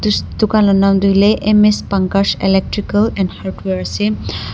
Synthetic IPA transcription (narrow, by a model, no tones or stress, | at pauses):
d̪ukanlɔnamdulɛʔemespaŋkaselɛk̚ʈɹikalɛ̃ndhaɹdweɹasɛ